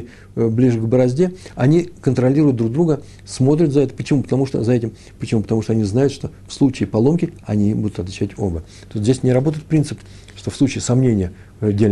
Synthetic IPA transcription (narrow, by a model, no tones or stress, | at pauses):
blʲiʐɨɡbəɾɐzʲdʲeɐnʲikənt̪ɾɐlʲiɾʊjʊt̪̚d̪ɾuɡ̚d̪ɾuɡə | smo̞t̪̬ɾʲʊt̪zɐɛt̪ə̥pət͡ɕɪmupət̪ɐmuʂt̪o̰zɐɛtʲɪm | pət͡ɕɪmupə̥t̪ɐmuʂt̪oɐnʲiznajʊt̪ʂt̪o̞fslˠut͡ɕɪːpɐlˠo̞mkʲɪɐnʲibud̪ʊt̪ɐt̪vʲɪt͡ɕːætʲo̞̰bə | t̪osʲt̪ʲzʲesʲnʲɪɾɐbo̞t̪əjɪt̪̚pɾʲint̪sɨp | ʂt̪ofslˠut͡ɕɪːsɐmnʲenʲɪjə | dʲelʲ